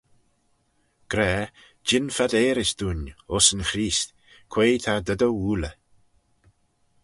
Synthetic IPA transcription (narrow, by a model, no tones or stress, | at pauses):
ɡ̥ɾɛː | d͡ʒɪnfad̪eːɾɪsd̪̥uːnɔsənxɾiːst̪ | kʰw̥eːjt̪ʰad̪əd̪əwuːlə